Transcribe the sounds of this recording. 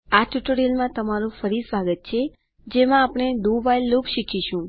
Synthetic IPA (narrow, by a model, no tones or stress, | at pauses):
at͡ʃuʈəɽelmãt̪əmaɾũfəɾisʋaɡət̪̚t͡ʃʰe | d͡ʒemãːpɳ̃ed̪oʋajlːokʃikʰiʃũ